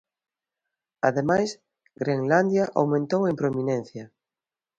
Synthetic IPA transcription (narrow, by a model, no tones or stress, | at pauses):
aðemajs | ɡɾeŋland̪jaʔawmẽnt̪owempɾominẽn̟θja